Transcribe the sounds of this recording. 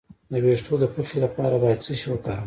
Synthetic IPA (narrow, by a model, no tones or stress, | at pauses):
naweʂʈʰod̪əpexelapɑɾabɑjad̪t͡səʃiwəka